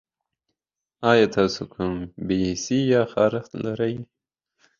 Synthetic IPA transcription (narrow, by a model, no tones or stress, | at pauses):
ɑjɑt̪ʰɑːsokʰumbisijɑxɑːɾɪxt̪laɾaj